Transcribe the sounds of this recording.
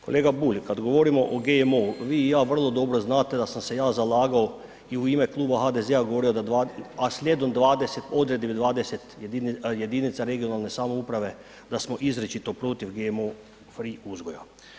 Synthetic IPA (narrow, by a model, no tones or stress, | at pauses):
kolʔeːɡabuːlʲkad̪ɡo̞ʋo̞ɾimoʔoɡeemoʋiːjaːʋr̩lˠo̞d̪o̞ːbɾoznaːt̪e̞d̪asamse̞jaːzalaːɡao | iuiːmeklˠuːbaxaːd̪ezeaɡoʋo̞ːɾijod̪ad̪ʋaaslʲjed̪omd̪ʋaːd̪eset̪o̞d̪ɾed̪id̪ʋaːd̪eset̪injed̪iːnit̪saɾe̞ɡijo̞naːlne̞saːmoupɾaʋe̞ | d̪asmoʔizɾet͡ʃit̪opɾot̪ifɡemoː | fɾiuzɡoja